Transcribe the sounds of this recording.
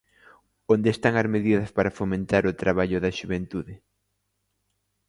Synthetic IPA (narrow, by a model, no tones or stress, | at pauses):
ond̪eːst̪aŋɐzmeðiðɐspaɾɐfomẽnt̪aɾʊt̪ɾaβaʎʊðɐʃuβent̪uðɪ